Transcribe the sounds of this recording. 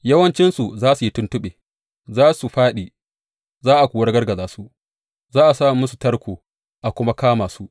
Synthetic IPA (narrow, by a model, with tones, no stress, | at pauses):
jɐ˦wɐ˦nt͡ʃɪ˦nsu˨zaː˦su˨ji˦tʊ˦ntʊ˦ɓeː˨ | zaː˦su˨ɸaː˦ɗiː˨ | zaː˦ʔa˨kʷuː˨wɐ˦rɡɐ˦rɡɐ˨zaː˨su˦ | zaː˦ʔa˨saː˦˨mʊ˦su˨tɐ˦ɽkʷoː˨ | ʔa˨kʷʊ˦ma˦kaː˦maː˨su˦ʔ